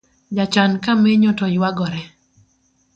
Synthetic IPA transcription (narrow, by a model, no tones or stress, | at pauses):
d͡ʒat͡ʃankamɛɲɔtɔjwaɡɔɾɛ